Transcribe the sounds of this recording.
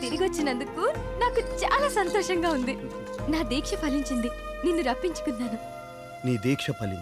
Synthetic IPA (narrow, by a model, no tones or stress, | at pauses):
t̪iɾiɡot͡ʃːinɐnd̪ukunaːkut͡ʃa̰ːlaːsɐnt̪ɔːʃɐŋɡaːund̪i | naːd̪iːkʂɐpɐliɲt͡ʃind̪ininːuɾɐpːiɲt͡ʃu̥kunːaːnu | niːd̪iːkʂɐpɐlḭn